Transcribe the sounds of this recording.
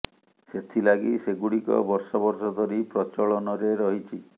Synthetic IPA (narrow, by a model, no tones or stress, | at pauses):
set̪ʰilaɡiseɡuɽikɔ̰bɔɾsɔbɔɾsɔd̪ʱɔɾipɾɔt͡ʃɔɭɔnɔɾeɾɔɦit͡ʃʰi